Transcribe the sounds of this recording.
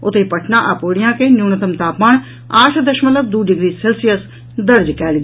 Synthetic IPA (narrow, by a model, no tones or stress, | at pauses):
ʊt̪eːpəʈʰnãːʔaːpoːɽɪjãːkeːnjuːnət̪əmt̪aːpmaːɳ | aːʃd̪əʃmələb̚d̪uːɖɪɡɾiːseːlsɪjəs | d̪əɾd͡ʒkɛːlɡ